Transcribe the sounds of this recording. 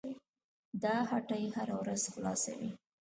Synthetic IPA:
d̪ɑhaʈajhaɾawɾazxlɑ̰sa̰wi

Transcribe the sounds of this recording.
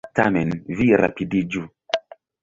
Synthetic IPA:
tamɛnviɾa̰pidid͡ʒu

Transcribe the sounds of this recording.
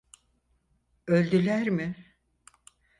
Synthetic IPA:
ølʲd̪ylʲæɾmɪ

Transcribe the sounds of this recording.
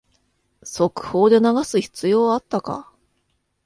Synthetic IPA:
so̞kɯ̟̥ho̞ːd̪e̞naɡasɨçi̥t͡sɨjo̞ːat̪ːaka̰

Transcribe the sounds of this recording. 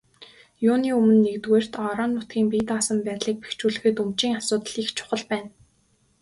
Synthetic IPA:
juːniːumɘ̆nːekt̪weːr̥t̪ɔɾɔːnːʊt̪̚ɡʲiːŋpiːt̪aːsə̆mpæːt̪ɮiːk̚pe̥xt͡ɕuːɮɘ̆xɘ̆t̪ɵmt͡ɕiːŋasʊːt̪ə̆ɮ̥ixt͡ɕʰʊ̥χə̆ɮpæːn

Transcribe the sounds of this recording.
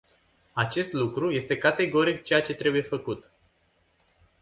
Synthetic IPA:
at͡ʃe̞st̪lukɾuje̞st̪e̞kat̪e̞ɡo̞ɾikt͡ʃe̞jat͡ʃe̞t̪ɾe̞buje̞fəkut̪

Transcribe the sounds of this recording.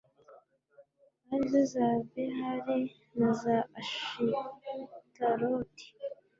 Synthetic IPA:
aɾiβozaveɦaɾi | nazaaʃi | taɾoti̥

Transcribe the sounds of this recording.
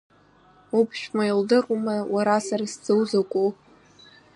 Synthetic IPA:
upʰʃᶣmaildɨrumawaɾasaɾasd͡zʼɨwzakʷʼu

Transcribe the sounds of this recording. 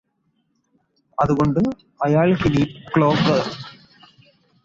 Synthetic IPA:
ɐðɯɣɔɳɖɯ | ɐjaːɭhɪliːkɭoːkɐ

